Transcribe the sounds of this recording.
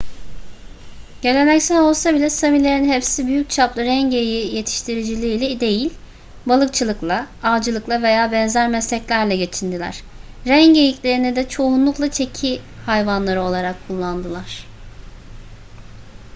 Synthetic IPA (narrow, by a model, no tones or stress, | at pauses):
ɟ̥e̞lʲe̞nɛcsæno̞lˠsabilʲɛsamilʲe̞ɾinɦɛpsibyjyc̚t͡ʃʰaplˠɯɾæɲɟejije̞t̪ʰi̥ʃt̪ʰiɾid͡ʒilʲiːlʲɛid̪e̞jilʲ | balˠɯk̚t͡ʃʰɯlˠɯklˠaaːd͡ʒɯlˠɯklˠave̞jaːbɛnzæɾmɛslʲɛclʲæɾlʲɛɟe̞t͡ʃʰind̪ilʲæ̰ɾ̥ | ɾæɲejiclʲe̞ɾinid̪ɛt͡ʃʰo̞unlˠuklˠat͡ʃʰe̞cʰi | hajvanlˠaɾɯo̞lˠaɾakʰːulˠːand̪ɯlˠaɾ̥